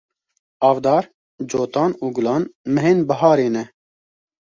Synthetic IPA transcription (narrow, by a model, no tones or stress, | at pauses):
ɑːvd̪ɑːɾ | d͡ʒoːt̪ɑːnuːɡʊlɑːnmɨɦeːnbɐɦɑːɾeːnɛ